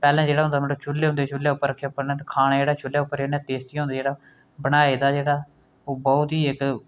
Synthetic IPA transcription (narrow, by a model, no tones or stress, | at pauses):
pɛːlɛ̃ːd͡ʒeːɽaːɦʊnd̪aːmɛːnõːt͡ʃʰʊlːeːʊ̃nd̪eːt͡ʃʊlːjaːʊpːəɾəkʰːjaːʊpːəɾnɛ̃ːt̪ːkʰaːñeːd͡ʒeːɽaːt͡ʃʊlːjaːʊpːəɾd͡ʒeːnɛ̃ːt̪eːst̪iːõːnd̪aːd͡ʒeːɽaː | bəɽ̃aːeːd̪aːd͡ʒeːɽaː | oːbɔʊt̪iːɪk